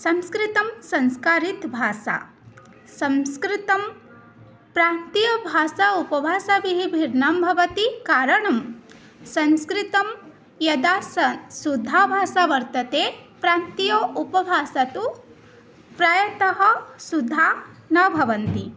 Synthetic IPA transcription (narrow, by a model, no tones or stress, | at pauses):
sɐ̃nskɾɪt̪ɐmsɐ̃nskaːɾit̪bʱaːsa̰ | sɐ̃nskɾit̪ɐm | pɾaːnt̪ijɐbʱaːsaupɐbʱaːsaʋiɦibʱiɾnaːmbʱɐʋɐt̪ikaːɾɐɳɐm | sɐ̃nskɾit̪ɐm | jɐd̪aːsɐsud̪ʱːaːbʱaːsaʋɐɾt̪ɐt̪eːpɾaːnt̪ijoːʔupɐbʱaːsɐt̪u | pɾaːjɐt̪ɐɦɐ̆sud̪ʱːaːnɐbʱɐʋɐnt̪i